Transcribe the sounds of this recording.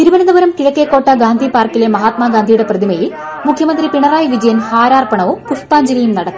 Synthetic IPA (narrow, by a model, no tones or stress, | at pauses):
t̪iɾuʋɐnɐd̪ɐbɐɾɐmkiɻɐkːekːo̞ːʈːɐɡaːnd̪ʱipaːrkilemɐɦaːt̪maːɡaːnd̪ʱijuɽe̞prɐðimejil | mukʰjɐmɐnd̪ripiɳɐraːjʋid͡ʑɐjɐnhaːɾaːrpɐɳɐʋupuʂp̪aːɲd͡ʑɐlɐjumnɐɽɐt̪ːu